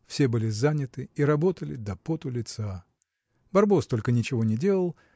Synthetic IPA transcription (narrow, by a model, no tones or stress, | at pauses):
fsʲe̞bɨlʲɪzanʲɪt̪ɨiɾɐbo̞t̪əlʲɪd̪ɐpot̪ʊlʲɪt̪sa | bɐrbo̞st̪o̞lʲkənʲɪt͡ɕɪvo̞nʲɪdʲe̞lˠəlˠ